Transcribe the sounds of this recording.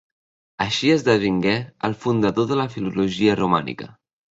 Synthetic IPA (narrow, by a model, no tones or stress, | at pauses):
əʃiəzðəβiŋɡɛəlˠfund̪əðoðələfiluluʒiərumanḭkə̰